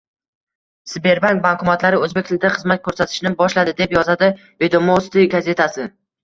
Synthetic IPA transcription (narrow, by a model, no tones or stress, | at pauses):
sbe̞ɾbaŋk̚baŋqʰʊmat̪laɾɪɵzbekʲt̪ʰɪld̪aχɨzmat̪̚kʰɵɾsat̪ʰɪ̥ʃnɪbɒʃlad̪ɪd̪e̞pjɒzad̪ɪ | ved̪omost̪iɡaze̞t̪ʰasɪ